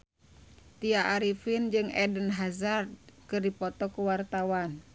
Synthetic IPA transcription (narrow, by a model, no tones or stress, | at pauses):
t̪iaʔaɾifind͡ʒɨŋɛdənɦazarkɨrdipɔt̪ɔkuwart̪awan